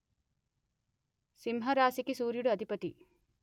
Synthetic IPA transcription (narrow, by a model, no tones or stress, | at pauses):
simɦɐɾaːsikisuːɾjuɽuɐd̪ʱipɐt̪i